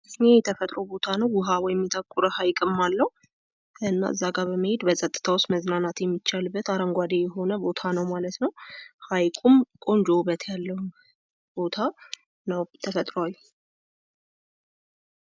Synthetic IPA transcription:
ʔɨnejɛt̪ʰəfət̪ʼɾobo̞t̪ʰanəwwʊɦawɔjɛmːit̪ʰʼəkʼːuɾəhajkʼɨmːalːəhu | ɨnːa̰ʔɨ̰zːaɡaβəmːəhed̪bəsʼət̪ʼːɨ̥t̪ʰawʊst̪məznanat̪jɛmːit͡ʃːalbːət̪aɾəŋɡʷad̪ejɛɦo̞nəbo̞t̪ʰanəwmalət̪nəwhajkʼumkʼo̞nd͡ʒo̞bət̪ʰjalːəhum | b̥o̞t̪ʰa | nəwt̪ʰəfət̪ʼɾoal

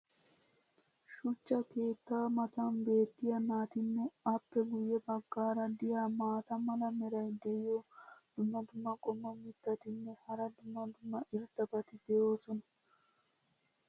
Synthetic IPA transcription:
ʃʊt͡ʃːɐke̞ːt̪ːaːmɐt̪ɐnbe̞ːt̪ːɪjɐnaːt̪ɪnːɛɐpːɛɡʊjːɛbɐɡːaːɾɐd̪ɪjaːmaːt̪ɐmɐlɐmɛɾɐjd̪ɛɪjod̪̥ʊmːɐd̪ʊmːɐkʼɔmːɐmɪt̪ːɐt̪ɪnːɛhɐɾɐd̪ʊmːɐd̪ʊmːɐʔɪɾt̪ːɐbɐt̪ɪd̪ɛjo̞ːsɔnɐ̥

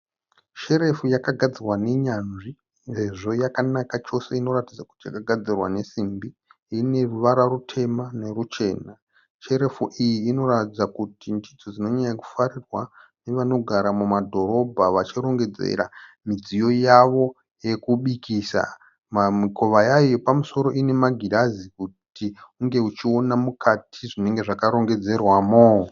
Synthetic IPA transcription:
ʃe̞ɾe̞fujakaɡʱad͡zirwane̞ɲanʐi | nse̞ʐo̞jakanakat͡ʃo̞se̞ino̞ɾatid͡zaku̥tija̰kaɡʱad͡zirwa̰ne̞simbi | ine̞ruʋaɾwarutʰe̞mane̞rut͡ʃe̞ːna | ʃe̞ɾe̞fuʔijiːno̞ratid͡zakutindid͡zo̞d͡zino̞ɲajaku̥faɾirwane̞ʋano̞ɡʱaɾamumadʱo̞ɾo̞bʱaʋat͡ʃiɾo̞ŋɡe̞d͡ze̞̰ɾa̰mid͡zijo̞jaʋo̞ | je̞kuɓikisa̰ | mamiko̞ʋajajopamuso̞ɾo̞ine̞maɡʱiɾazikutiuŋɡe̞ut͡ʃio̞namukʰatʰiʐine̞ŋɡe̞ʐakaɾo̞ŋɡe̞d͡ze̞rwamo

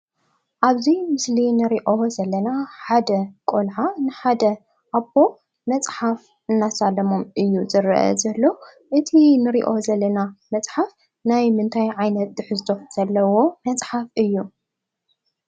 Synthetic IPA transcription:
ʔaβzimɨslinɨɾiʔo̞zɐlːɐnaħad̪ɐkʼolʕanɨħad̪ɐ | ʔabo̞ | mɐt͡sʼħaf | ɨnːasalɐmomʔɨjːuzɨɾʔɐ̰zɐlːo | ʔɨt̪ʰinɨɾḭʔo̞zɐlːɐnamɐt͡sʼħaf | najmɨnt̪ʰajʕajnɐt̪̚d̪ɨħɨzt̪ʰo̞z̥ɐlːɐwo̞mɐt͡sʼħafɨjːu

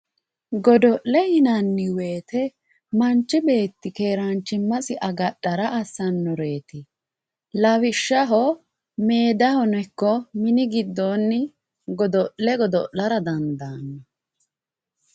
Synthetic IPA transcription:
ɡɔd̪ɔʔlɛhɪnɐnːɪwe̞ːt̪ɛ | mɐnt͡ʃːɪbe̞ːt̪ːɪkeːɾɐnt͡ʃːɪmːɐsɪʔɐɡɐɗɐɾɐʔɐsːɐnːɔɾe̞ːt̪ɪ | lɐwɪʃːɐɦɔ | me̞ːd̪ɐhɔnɛkːɔmɪnɪɡɪd̪ːoːnːɪ | ɡɔd̪ɔʔlɛɡɔd̪ɔʔlɐɾɐd̪ɐnd̪ɐːnːɐ

